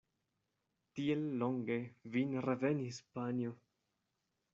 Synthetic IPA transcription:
tielːoŋɡe̞vinɾeve̞nispanjo

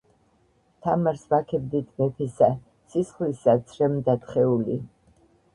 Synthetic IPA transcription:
t̪ʰamaɾsbakʰɛbd̪it̪ʰmɛpʰisa | sisχlisat̪sʰɾɛmd̪at̪χɛuli

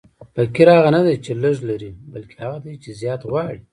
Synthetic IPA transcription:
pakiɾhaɣanad̪ajt͡ʃeləʒlaɾibalkʰe̥haɣad̪ajt͡ʃezjɑːt̪ɣwɑɽi

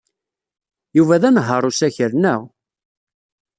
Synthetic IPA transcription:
juvæðænɦəɾˤusæçəɾnəʁ

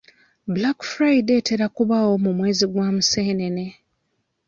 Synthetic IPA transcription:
bulakfɾajide̞te̞ɾakuβaːwo̞mumwe̞ːziɡwaːmuseːnene̞

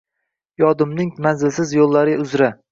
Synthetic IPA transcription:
jɒd̪ɪmnɪŋmanzɪlsɪzjolˠːaɾɪʊzɾa

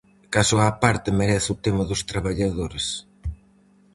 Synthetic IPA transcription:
kasʊapaɾt̪ɪmeɾɛθʊt̪emɐðʊst̪ɾaβaʎaðoɾes

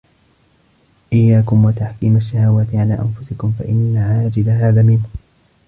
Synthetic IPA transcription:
ʔɪjːaːkʊmwat̪aħkiːmaʃːahawaːt̪ɪʕalaːʔa̰nfʊsɪkʊmfa̰ʔɪnːaʕaːd͡ʒɪd̪aɦaːðaːmɪnhʊ

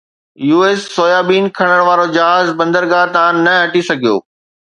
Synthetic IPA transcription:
juːeːsːoːjaːbiːnkʰɐɽ̃əɽ̃ʋaːɾod͡ʑɐɦaːzbɐ̃nd̪əɾɡaːt̪ɐãnɐɐʈisɐɡʱijo̰ː

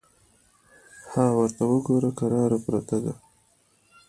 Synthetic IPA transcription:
hɑwəɾt̪awəɡoɾakaɾɑɾapɾat̪ad̪a̰

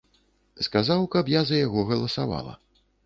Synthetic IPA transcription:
skazawkɐpjazɐjaɣɔɣɐlˠɐsa̰va̰lˠɐ̰

